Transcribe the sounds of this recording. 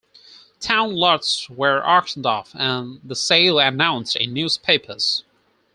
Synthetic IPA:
tʰãʊ̃nlɑtswə˞ʔɑɹkʃn̩dɔ̰fɨ̃nðəseɪlˠɨnãʊ̃nstɨ̰njʉz̥pʰeɪpʰə˞z̥

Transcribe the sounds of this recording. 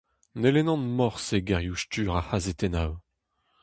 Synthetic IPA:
nelenɑ̃nmɔʁseɡaʁjuʃtyːʁahazet̪enaw

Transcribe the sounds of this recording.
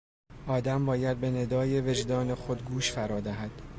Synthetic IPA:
ʔɒːd̪æmbɒːjæd̪̚be̞ne̞d̪ɒːjeve̞d͡ʒd̪ɒːne̞xod̪ɡuːʃfæɾɒːd̪æɦæd̪̥

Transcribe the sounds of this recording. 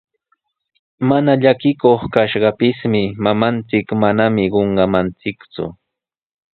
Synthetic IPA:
manaʎakɪkoχkaʃɢɑpɪsmɪmamant͡sɪkmanamɪɢoɴɢɑmant͡sɪkt͡sʊ̰

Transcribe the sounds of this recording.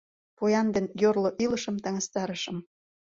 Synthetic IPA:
pojɑnd̪enjorloʔilə̆ʃə̆mt̪ɑŋəst̪ɑɾəʃə̆m

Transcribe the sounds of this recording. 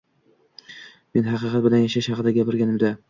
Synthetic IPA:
me̞nɦɑqɨqɑt̪bɪlanjaʃaʃhɑqɨd̪aɡʲapɪɾɡʲanɪmd̪a

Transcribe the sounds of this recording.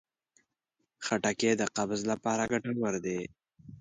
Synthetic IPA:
xaʈaked̪əqabzlapɑːɾaɡaʈawəɾd̪e

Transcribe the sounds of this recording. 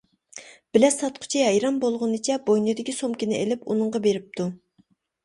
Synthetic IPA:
b̥ɪlɛsɑt̪qʰʊ̥t͡ʃʰiɦɛjɾɑmbolˠʁʊnɨt͡ʃʰɛbojnɨd̪ɪkʲisomkʲinɪḛlɪpṵnɨɴʁɑbeɾɪp̚t̪ʰu

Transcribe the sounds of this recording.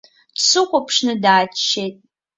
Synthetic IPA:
dsɨχʷopʰʂnɨdaːt͡ʃt͡ʃːejtʼ

